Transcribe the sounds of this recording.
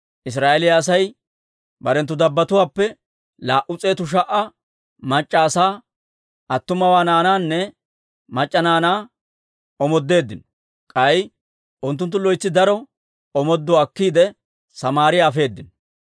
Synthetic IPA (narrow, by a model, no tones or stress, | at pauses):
ʔɪs̬ɾaːʔeɛlɪjaːs̬ɐj | bɐɾɛnt̪ːʊd̪ɐbːɐt̪ʊwaːpːɛ | laːʔʊt͡sʼe̞ːt̪ʊʃ̬ɐʔɐ | mɐt͡ʃʼːaːsaː | ɐt̪ːʊmɐwaːnaːnaːnːɛ | mɐt͡ʃʼːɐnaːnaː | ɔmɔd̪ːe̞ːd̪ːɪnɔ | kʼɐj | ʔʊnt̪ːʊnt̪ːʊlɔjt͡sːɪd̪ɐɾɔ | ɔmɔd̪ːɔɐkːiːd̪ɛ | sɐmaːɾɪjafe̞ːd̪ːɪn